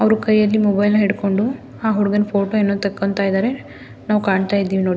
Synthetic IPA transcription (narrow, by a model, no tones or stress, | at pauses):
ɐʋɾukɐjːɐlːimɔbɐjlnɐɦeɽko̞ɳɖu | aːɦuɽuɡɐnpʰoːʈoenːot̪ɐkːont̪aːjid̪aːɾe̞ | naːʋukaːɳt̪aːjid̪ːiːʋinoːɽi